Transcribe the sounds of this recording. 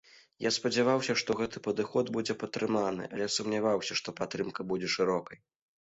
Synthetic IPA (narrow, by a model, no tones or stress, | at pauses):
jaspɐd͡zʲɛvawsʲɐʂt̪ɔɣɛt̪ɨpɐd̪ɨxɔd̪bud͡zʲɛpɐt̪ːɾɨman̪ɨ̰ʔɐ̰lʲɛsumnʲavawsʲɐʂt̪ɔpat̪ːɾɨmkɐbud͡zʲɛʂɨɾɔkɐj